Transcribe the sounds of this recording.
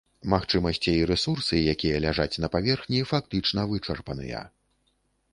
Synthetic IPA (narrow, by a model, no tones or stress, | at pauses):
maxt͡ʂɨmɐsʲt͡sʲiiɾɛsursɨjakʲijɐlʲaʐat͡sʲnɐpavʲɛrxnʲifak̚t̪ɨt͡ʂnɐvɨt͡ʂɐrpɐnɨ̰jɐ̰